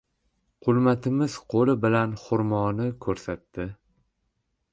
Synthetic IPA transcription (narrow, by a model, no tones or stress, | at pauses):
qʰʊlˠmat̪ʰɪmɪz̥qʰolˠɪbɪlanχʊɾmɒnɪkʰɵɾsat̪ːɪ